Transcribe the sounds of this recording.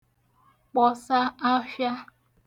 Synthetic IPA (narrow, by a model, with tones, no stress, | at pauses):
k͡pɔ˨sa˦a˦fja˦